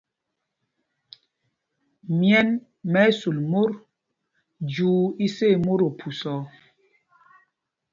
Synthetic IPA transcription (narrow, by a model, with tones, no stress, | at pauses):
mjɛ˦n | mɛ˨˦su˨lmo˦ɾ | d͡ʒuː˨˦i˦se˦˨mo˦ɾo˨pʰu˨sɔ˨˦